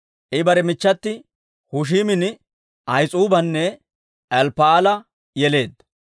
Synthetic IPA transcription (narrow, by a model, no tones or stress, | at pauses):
ʔɪbɐɾɛmɪt͡ʃːɐt̪ːɪ | hʊʃ̬iːmɪn | ʔɐjt͡sʼuːbɐnːɛ | ʔɛlpːaːlɐ | jɛle̞ːd̪ɐ